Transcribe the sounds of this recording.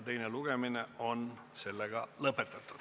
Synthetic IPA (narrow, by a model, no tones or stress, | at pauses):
t̪e̞jneluɡ̥e̞mineo̞n | se̞lːeɡ̥ɑlɤpːˑe̞t̪ːˑɑt̪ːˑud̥̪